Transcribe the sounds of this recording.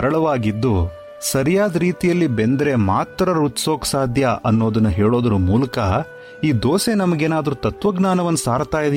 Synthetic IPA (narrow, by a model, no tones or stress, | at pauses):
ɐɾɐɭɐʋaːɡid̪ːu | sɐɾijaːd̪ɐɾiːt̪ijɐlːibend̪ɐɾemaːt̪ːɾɐɾut̪soːkɐ̥saːd̪ʱjɐɐ̰nːo̞ːd̪ɐnːɐɦeːɭo̞ːd̪ɐɾumuːlɐkɐ | iːd̪oːsenɐmɐɡeːnaːd̪ɐɾut̪ɐt̪ʋɐɡnaːnɐʋɐnːusaːɾt̪aːjid̪